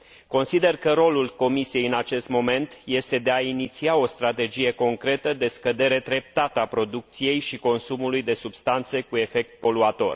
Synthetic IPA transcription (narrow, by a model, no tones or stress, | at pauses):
ko̞nsid̪e̞rkəɾo̞lulko̞misije̞jɨnat͡ʃe̞st̪mo̞me̞nt̪je̞st̪e̞d̪e̞ainit̪siao̞st̪ɾat̪e̞d͡ʒije̞ko̞ŋkɾe̞t̪əd̪e̞skəd̪e̞ɾe̞d̪ɾe̞p̚t̪at̪əapɾo̞d̪uk̚t̪sije̞jʃiko̞nsumulujd̪e̞subst̪ant̪se̞kue̞fe̞k̚t̪̚po̞luat̪o̞̰r